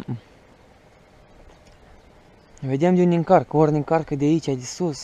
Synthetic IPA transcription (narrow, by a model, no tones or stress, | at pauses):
vʲed̪ʲemd̪ʲunʲiŋkarkəornʲiŋkarkəd̪ʲait͡ʃʲad̪ʲisus